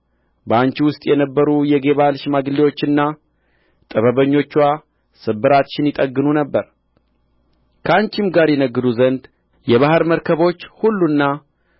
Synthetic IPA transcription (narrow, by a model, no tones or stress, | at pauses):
bəant͡ʃiwʊst̪ʼjɛnəbːəɾujɛɡe̞βalʃmaɡɨlːiwo̞t͡ʃːɨnːa | t̪ʼəβəβəɲːo̞t͡ʃːwa | sɨbːɨɾat̪ʃɪnjɪt̪ʼəɡːɨnunəbːəɾ | kʰəant͡ʃɪmɡaɾjɛnəɡːɨd̪uzənd̪ | jɛβaɦəɾməɾkʰəβo̞t͡ʃːhulːunːa